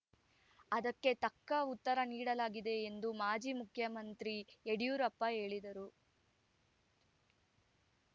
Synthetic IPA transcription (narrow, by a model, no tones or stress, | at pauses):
ɐd̪ɐkːe̞t̪ɐkːɐut̪ːɐɾɐniːɽɐlaːɡid̪e̞ːnd̪umaːd͡ʒiːmukʰjɐmɐnt̪ɾieɽijuːɾɐpːɐɦe̞ːɭid̪ɐɾu